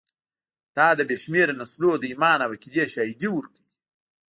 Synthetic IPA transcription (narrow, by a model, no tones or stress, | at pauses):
t̪ɑːd̪əbeʃmeɾnaslod̪əimɑːnabakid̪eʃaid̪iwuɾkəji